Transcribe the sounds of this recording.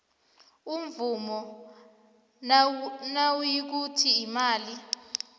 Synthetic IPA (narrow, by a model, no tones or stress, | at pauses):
umvumɔ | nawujik̬utʰiːmaːli